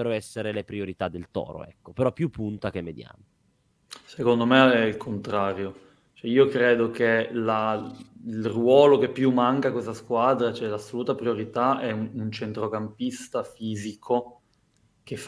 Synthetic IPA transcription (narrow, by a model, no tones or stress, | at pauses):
eɾoɛsːeɾelepɾioɾit̪ad̪ːelt̪ɔ̰ːɾo̰ʔɛ̰kːopeɾɔpːjupːunt̪ak̟emːed̪ja̰n | sekond̪omeɛilkʰont̪ɾaːɾjo | t͡ʃoɛiːokɾeːd̪ok̟ela | ilrwɔːlok̟epːjumːaŋkakwest̪askwad̪ɾat͡ʃoɛlasːoluːt̪apɾioɾit̪aɛunt͡ʃent̪ɾokampist̪afiːzikʰo | k̟ef